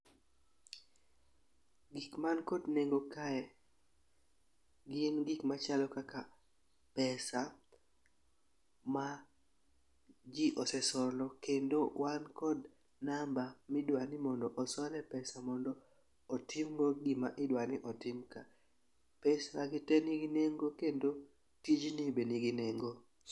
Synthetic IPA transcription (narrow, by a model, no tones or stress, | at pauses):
ɡikmankɔdneŋɡokaɛ | ɡɪnɡikmat͡ʃalɔkaka | pɛsa | ma | d͡ʒɪʔɔsɛsɔlɔkendowankɔd | nambamɪdwanɪmɔndɔʔɔsɔlɛpɛsamɔndɔː | tɪmɡoɡɪmaʔɪdwanɪʔɔtɪmka | pɛsaɡɪtɛniɡineŋɡokendo | tid͡ʒnɪbeniɡineŋɡo